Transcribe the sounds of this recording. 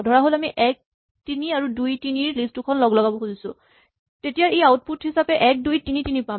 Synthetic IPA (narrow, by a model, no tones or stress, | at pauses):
dʱɔɹaɦolamiʔɛk̚ | tiniaɹudujtiniɹlistukʰɔnlɔɡlɔɡabɔxuzisʊ̰̃ | tetijaɹeawt̚putɦisapɛʔɛk̚dujtinitinipa